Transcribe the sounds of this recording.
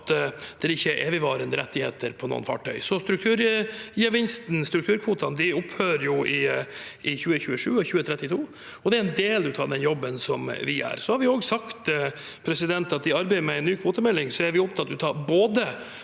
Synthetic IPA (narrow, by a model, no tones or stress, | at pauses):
t̪d̪̥ɛɾɪçːəʔeːʋɪʋɑːɾənd̪əɾʔɛ̰t̪ːɪhḛːt̪əɾpʰɔno̰ːənfɑ̰ːʈʰœʏsɔst̪ɾʉkt̪ʰʉːɾjɛʋɪnst̪n̩st̪ɾʉkt̪ʰʉːɾkʰʋuːt̪ɑnd̪ɪʊphøːɾjʊʔɪɪçʉːəçʉːəʂʉːɔçʉːət̪ʰɾɛt̪ːɪt̪ʰuː | ɔd̪ɛæɾnd̪eːld̪ʉt̪ʰɑːɖɛnjɔbːənsɔmʋɪʔæ̰ɾsɔhɑɾʋɪoːɡsɑkt̪ | pʰɾɛsɪd̪ɛnt̪ɑt̪̚d̪ɪɑɾbæɪəɾmɛæɪnːyːkʰʋuːt̪əmɛlːɪŋsɔæɾʋɪʊp̚t̪ʰɑt̪̚ːd̪ʉt̪ʰɑːɾboːd̪ə